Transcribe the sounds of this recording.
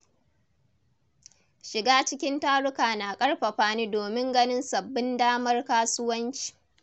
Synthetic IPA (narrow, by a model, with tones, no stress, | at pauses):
ʃɪ˨ɡaː˦t͡ʃɪ˦kʲɪ˦ntaː˦ɽʊ˦kaː˨na˨kʼɐ˦ɽɸɐ˨ɸaː˦niː˦doː˨mɪ˦ŋɡɐ˦nɪ˦nsɐ˨bːɪ˦ndaː˦mɐ˦rkaː˦sʊ˦wɐ˦nt͡ʃi̥ː˨